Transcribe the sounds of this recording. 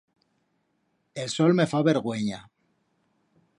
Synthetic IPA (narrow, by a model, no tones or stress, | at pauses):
elsolmefaβeɾɣweɲa